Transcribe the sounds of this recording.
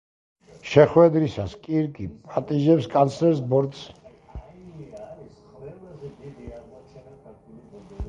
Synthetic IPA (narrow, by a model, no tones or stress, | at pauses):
ʃɛχwɛd̪ɾisaskʼiɾkʼipʼat̪ʼiʒɛpskʼansʰlɛɾsbɔɾd̪s